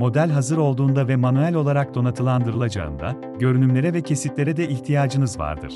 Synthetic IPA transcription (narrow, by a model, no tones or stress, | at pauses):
mo̞d̪ælʲɦazɯɾo̞lˠd̪uːnd̪avɛmanyælʲo̞lˠaɾak̚d̪o̞nat̪ʰɯlˠand̪ɯɾɯlˠad͡ʒa̰ɯ̰nd̪a̰ | ɟø̞ɾynymlʲe̞ɾɛvɛcʰe̞sit̪lʲe̞ɾɛd̪ɛʔiçt̪ʰijaːd͡ʒɯnɯzva̰ɾd̪ɯ̰ɾ̥